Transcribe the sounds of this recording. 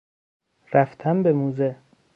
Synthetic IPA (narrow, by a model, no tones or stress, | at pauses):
ɾæft̪ʰæmbemuːze